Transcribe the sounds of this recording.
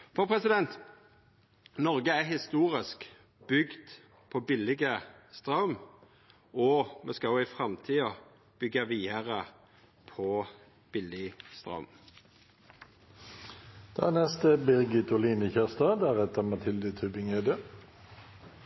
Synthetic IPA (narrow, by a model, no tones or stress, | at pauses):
fɔʁpʰɾɛsɪd̪ɛnt̪ | nɔʁɡəæhɪst̪uːʁɪsk | b̥ʏɡd̪̥ | pʰɔbɪlɪɡəst̪ʁɑm | ɔmɛskɑʊɪfʁɑmt̪ʰiːə | b̥ʏɡɑʋiːəʁə | pʰɔ | b̥ɪlɪst̪ʁɑ̰m | d̪̥ænɛst̪əbɪʁɡɪt̪ʊliːnəçæʁst̪ɑːd̪æʁɛt̪əmɑt̪ʰɪld̪ət̪ʰʉbɪŋeːd̪ə